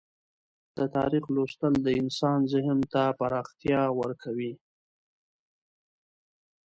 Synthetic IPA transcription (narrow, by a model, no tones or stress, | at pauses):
d̪̥ət̪ɑɾixlost̪əld̪əɪnsɑnzɪhmt̪apaɾɑxt̪jɑwəɾkʰawi